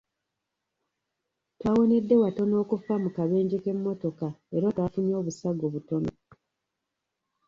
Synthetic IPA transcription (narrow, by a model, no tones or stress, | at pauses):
twaːwo̞ne̞dːe̞wato̞no̞ːkufamukaβe̞ːɲɟike̞mːo̞to̞kaeɾotwafunio̞ːβusaɡo̞βuto̞no̞